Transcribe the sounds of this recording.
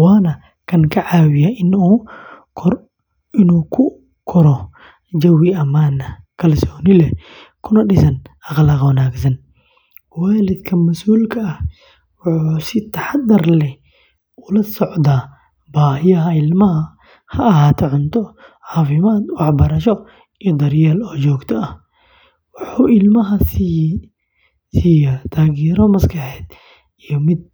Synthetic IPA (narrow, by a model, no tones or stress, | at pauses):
waːnɐ | kʰɐŋkʰɐʕaːwɪjaʔɪnuː | ɪnuːkʰʊ | kʰɔɾɔ | d͡ʒɐwiɐmaːnɐkʰɐlsɔːnɪlɛ | kʰʊnɐɗɪsɐnɐqlɐqwɐnaːɡsɐn | waːlɪd̪kʰɐmɐsʔuːlkʰɐːh | wʊħusɪt̪ʰɐħad̪ɐrlɛ | ʊlɐsɔʕd̪aː | baːhɪjɐɦɐɪlmɐɦɐ | hɐɐhaːt̪ʰɛʕʊnt̪ʰɔʕɑːfɪmaːd̪wɑħbɐɾɐʃɔ | ijɔd̪ɐɾjaːlɔːt͡ʃɔːɡt̪ʰɐɐh | wʊħuːɪlmɐɦɐ | sijat̪ʰaːɣiːɾɔmɐskʰɐħɛːd̪ | ijɔmɪd̪̚